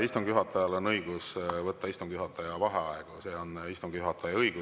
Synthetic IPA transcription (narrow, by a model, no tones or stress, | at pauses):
ist̪umkuɦɑt̪ːˑɑjɑlo̞nːɤiɡ̥usvɤtt̪ːɑist̪umkyɦɑt̪ːˑɑjɑvɑɦeɑeɡ̥use̞o̞nist̪umɡ̥yɦɑt̪ːˑɑjɑɤjɡ̥u